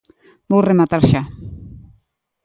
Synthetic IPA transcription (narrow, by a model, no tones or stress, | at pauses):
bowremat̪aɾʃa